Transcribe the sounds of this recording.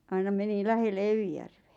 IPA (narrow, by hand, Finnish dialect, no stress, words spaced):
ɑinɑ meni læhelːe eʋijærʋeæ